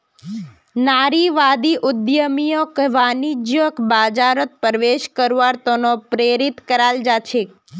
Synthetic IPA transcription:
naɾiʋad̪iʔud̪jəmijokʋanid͡ʒjokbad͡ʒaɾət̪̚pəɾʋeʃkəɾʋaɾt̪onopɾeɾit̪kəɾald͡ʒat͡ʃʰek

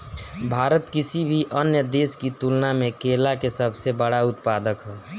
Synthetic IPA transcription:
bʱaːɾət̪kisibʱiʔənjəd̪eːskit̪ulnamekelakesəbʱsebəɽaʊt̪̚pad̪əkɦɛː

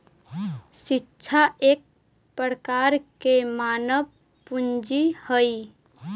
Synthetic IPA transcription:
ʃɪtːʃʰaʔeːk̚ | pəɾkaːɾkemaːnəb | pʊnd͡ʒihəi

